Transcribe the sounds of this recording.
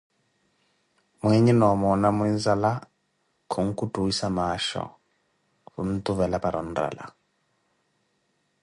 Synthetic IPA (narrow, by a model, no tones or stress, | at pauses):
mwɛɲɛnɔmɔnamwɛnzala | kʰɔŋ̩kutuwisamaʃɔ̰ | βṵn̩t̪uβɛlapaɾɔn̩dra̰la̰